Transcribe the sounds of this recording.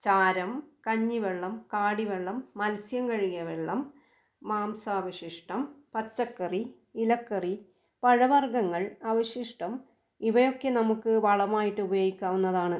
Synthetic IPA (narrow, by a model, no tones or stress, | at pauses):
t͡ɕaːɾɐmkɐɲːiʋeɭːɐmkaːɽiʋeɭːɐmːɐlsjɐmkɐɻijɐʋeɭːɐmː | aːmsaːʋɐɕiʂʈɐmpɐt͡ɕːɐkːɐri | ilɐkːɐri | pɐɻɐʋɐrɡɐŋːɐɭaʋɐɕiʂʈɐm | iʋɐjo̞kːe̞nɐmukːɨʋɐɭɐmaːjiʈːɨubɐjo̞ːɡikʲːaːʋunːɐðaːɳɨ